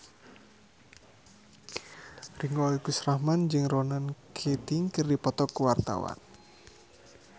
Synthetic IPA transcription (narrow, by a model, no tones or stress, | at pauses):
riŋɔikusrahmand͡ʒɨŋronankʰet̪iŋkərdipɔt̪ɔkuwart̪a̰wa̰n